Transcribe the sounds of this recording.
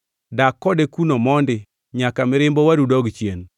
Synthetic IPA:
dakːɔdekunomɔndɪ | ɲakamɪɾɪmbɔwaɾudɔɡt͡ʃjen

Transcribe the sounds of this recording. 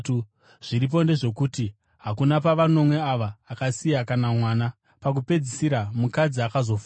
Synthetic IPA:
ʐ̥iɾip̬o̞nde̞ʐe̞kuti | ɦakunapaʋano̞mwe̞aʋaːkasijakanamwaːna | pak̬upe̞d͡zisiɾamukad͡ziakazo̞fː

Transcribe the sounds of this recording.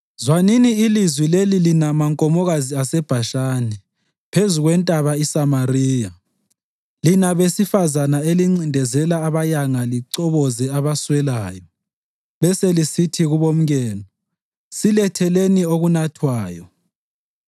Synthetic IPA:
zwaniniːlizwilelilinamaŋkʼɔmɔɣaziasɛb̥ʱaʃaːnɛ | pʰezuɣwɛntʼaβaisamariːja | linaβesifazanaeliŋ͡ǀindʱɛzɛlaːβajaŋaliǀɔβɔzɛaβaswɛlaːjɔ | βɛselisitʰiɣuβom̩ɣɛːnɔ | silɛtʰɛlenioɣunatʰwaːjɔ

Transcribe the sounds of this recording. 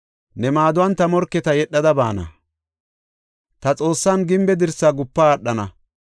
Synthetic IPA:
nɛmaːd̪ʊwɐnt̪ɐmɔɾkːɛt̪ɐjɛɗːɐd̪ɐba̰ːnɐ̰ | t̪ɐt͡sʼo̞ːsːaːnɡɪmbɛd̪ɪɾsːaɡʊpːaːɗːɐnɐ̰

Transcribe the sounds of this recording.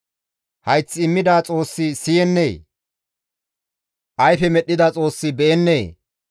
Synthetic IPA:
hɐjt͡sːɪɪmːɪd̪aːt͡sʼo̞ːsːɪsɪjɛnːeː | ʔɐjfɛmɛɗːɪd̪ɐt͡sʼo̞ːsːɪbɛʔɛnːeː

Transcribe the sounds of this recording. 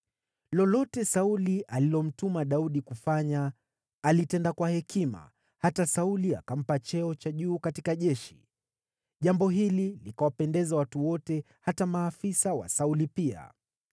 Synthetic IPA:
lɔlɔtɛsauliʔalilɔm̩tumaɗauɗikufaɲaː | litɛndakwahɛkima̰ | hatasaulia̰kam̩pat͡ʃɛɔt͡ʃaʄuːkatikaʄɛʃi̥̰ | ʄambɔɦililikawapɛndɛzawatuwɔtɛ | hatamaːfisawa̰saulipia̰

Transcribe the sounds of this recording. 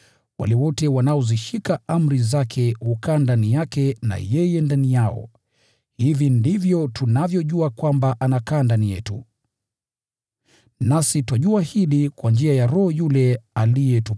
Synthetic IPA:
wa̰lɛwɔtɛwanaɔziʃikaam̩ɾizakʰɛhukaːndanijakɛna̰jɛjɛndanijaɔ̰ | hivindivjɔtunavjɔʄuakwambaʔanakaːndanijɛtṵ | nasitwaʄuahiɗikwand͡ʒiajaɾɔhɔjulɛalijɛtu

